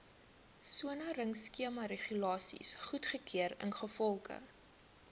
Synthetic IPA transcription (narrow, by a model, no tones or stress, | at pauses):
suənɐrəŋskiəmɐɾeχylɑːsḭsχutχəkʰiəɾə̰nχəfɔlˠkə̰